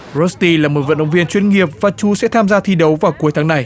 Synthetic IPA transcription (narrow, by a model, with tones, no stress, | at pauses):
zo˦˥st̪i˧laː˨˩mo˨˩t̚və̰˧˨nɗʔə˧wŋ͡m̃vi˧ənt͡ɕwnŋi˨˩əp̚vaː˨˩t͡ɕu˧˩sɛ̰˧˥t̪ʰaː˧mzaː˧t̪ʰi˧ɗə˨˦wvaː˨˩wku˨˦əjt̪ʰaː˨˦ŋna˨˩j